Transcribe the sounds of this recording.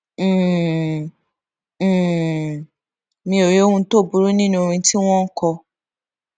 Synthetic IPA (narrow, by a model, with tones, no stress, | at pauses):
mĩ˧˦o˨je˨˦o˦wũ˧to˦˨bu˨ɾu˦nĩ˦nũ˦o˧ɾ̃ĩ˧ti˦w̃ɔ̃˦ŋ̩˦kɔ˧